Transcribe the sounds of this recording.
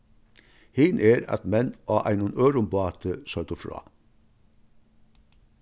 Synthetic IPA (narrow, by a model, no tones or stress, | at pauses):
hɪːnʔeːɾɑ̰t̪mɛnʔɑːʔæ̰ɪnʊnʔøːɾʊmbɑːt̪ʰəsœt̪əfɾɑ̰ː